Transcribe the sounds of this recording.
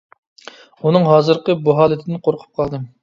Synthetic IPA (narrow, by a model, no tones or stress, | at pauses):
unɨŋɦɑːzɨɾqəbuɦɑːlˠɪt̪ʰɪd̪ɪnqʰoɾqʰʊ̥p̚qʰɑlˠd̪ɨm